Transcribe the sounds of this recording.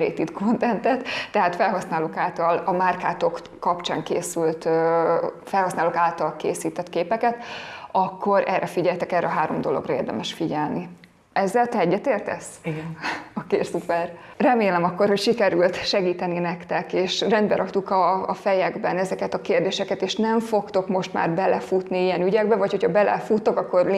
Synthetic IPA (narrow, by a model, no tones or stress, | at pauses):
ɾḛːt̪id̪kʰo̞nt̪ɛnt̪ɛt̪ːɛɦaːt̪fɛlɦɒsnaːloːkaːlt̪ɒlɒmaːrkaːt̪o̞kːɒpt͡ʃa̰ːŋkḛːsylt̪ø | fɛlhɒsnaːloːkaːlt̪ɒlkeːsiːt̪ɛt̪keːpɛkɛt̪ɒkːo̞ɾʔɛrʔɛfiɟɛlt̪ɛkɛrːɛɒɦaːɾo̞̰md̪o̞lo̞̰ɡrɒḛːrd̪ɛ̰mɛʃfiɟɛlni | ɛzːɛlt̪ɛɛɟːɛt̪eːrt̪ɛ̰siokeːrsupɛrrɛmeːlɛmɒkːo̞rho̞cʃikɛɾylt̪ʃɛɡiːt̪ɛninɛkt̪ɛkeːʃrɛnd̪bɛɾɒkt̪ukɒːfɛjɛɡbɛnɛzɛkɛt̪ɒkeːrd̪eːʃɛkɛt̪eːʃnɛɱfo̞kt̪o̞kmo̞ʃt̪ma̰ːrbɛlɛfut̪niijɛnyɟɛɡ̚bɛvɒcho̞cʰɒbɛlɛ̰fut̪ːokɒkːo̞r